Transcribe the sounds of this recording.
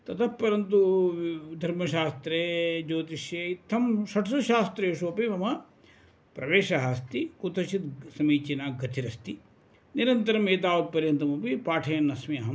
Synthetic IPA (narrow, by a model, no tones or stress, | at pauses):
t̪ɐt̪ʰɐppɐɾɐnt̪u | d̪ʱɐɾmɐʃaːst̪ɾeːd͡ʒoːt̪̬iʃjeit̪ʰːɐmʃɐʈʰɐsuʃaːst̪ɾɐeːʂuɐpimɐmɐ | pɾɐʋeːʃɐɦaːst̪ikut̪ɐʃit̪sɐmiːt͡ʃinaːɡɐt̪ʰiɾɐst̪i | niɾɐnt̪ɐɾɐmeːt̪̬aːʋɐk̪̚pɐɾjɐnt̪ɐmupipaːʈʰɐjɐnːɐsmiɐɦɐm